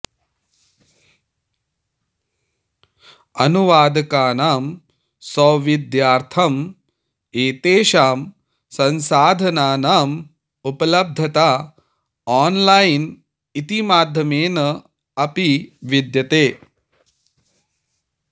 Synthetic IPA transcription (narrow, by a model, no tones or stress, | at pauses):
ɐnuʋaːd̪ɐkaːnaːm | sɔːʋid̪jaːɾt̪ʰɐm | eːt̪eːʃaːm | sɐnsaːd̪ʱɐnaːnaːm | upɐlɐb̚d̪ʱɐt̪aː | aːnlajn | it̪imaːd̪ʱjɐmeːnɐ | ɐpiʋid̪jɐt̪eː